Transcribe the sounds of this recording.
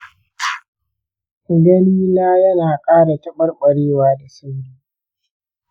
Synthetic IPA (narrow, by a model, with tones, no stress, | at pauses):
ɡɐ˦liː˦laː˦jɐ˦naː˨kʼaː˦ɽa˨tɐ˦ɓɐ˦rɓɐ˨ɽeː˦waː˨da˨sɐ˦niː˦